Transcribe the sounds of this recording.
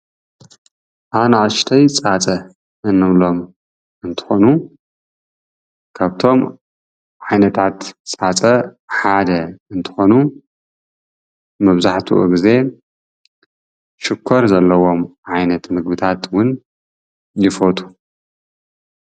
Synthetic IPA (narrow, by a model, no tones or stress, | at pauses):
ʔaβnaʔʃt̪ʰɐjt͡sʼat͡sʼɐ | ʔɨnːɨβlo̞m | ɨnt̪ʰɨ̥xonu | kʰaβt̪ʰo̞m | ʕajnɐt̪ʰat̪t͡sʼat͡sʼɐ | ħad̪ɐɨnt̪ʰɨ̥xonu | mɐβzaħt̪ʰṵʔɨ̰ɡɨze̞ | ʃɪkʰːoɾzɐlːɐwo̞mʕajnɐt̪mɨɡbɨt̪ʰat̪wʊn | jɪfot̪ʼu̥